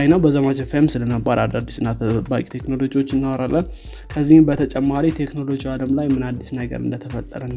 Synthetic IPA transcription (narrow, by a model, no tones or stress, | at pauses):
ajnəwbəzəmat͡ʃəfemsɨləməbːaɾad̪ad̪ːisɨnːat̪ʰəbakʼi̥t̪ʰe̞kno̞lo̞d͡ʒiwo̞t͡ʃːɨnːawaɾalːən | kʰəzːihbət̪ʰət͡ʃʼɛmːaɾit̪ʰe̞kno̞lo̞d͡ʒiwaləmlajmɨnad̪ːisnəɡə̰ɾɨ̰nd̪ət̪ʰəfət̪ʼːə̰ɾən